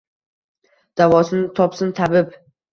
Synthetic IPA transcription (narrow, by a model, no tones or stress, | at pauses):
d̪̥avɒsɪnɪt̪ʰɒpsɪnt̪ʰabɪp